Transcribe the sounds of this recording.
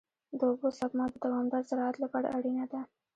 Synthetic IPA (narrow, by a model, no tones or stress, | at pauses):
d̪əbosakmɑd̪əd̪awɑmd̪aɾzaɾɑat̪ləɡaɽ̰ʔaɽinad̪a